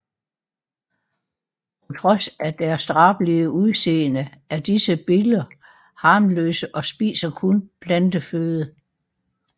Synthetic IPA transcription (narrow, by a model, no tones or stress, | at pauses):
pʰpʰɒ̽t͡sʰʁɒ̽sæd̥æɐsd̥ʁɑ̈ːb̥liəuðˠse̝̰ːnəæɐd̥isəb̥elɐ | hɑ̈ːmlø̰ːsəʔɒ̽sb̥ḭːsɐkʰonpʰlænd̥əføːðˠə